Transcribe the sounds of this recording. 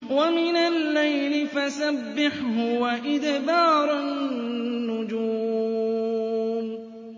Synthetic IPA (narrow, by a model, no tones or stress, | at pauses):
wamɪnalːajlɪfasabːɪħɦʊwaʔɪd̪bɑːɾˤaː | ʊd͡ʒuː | m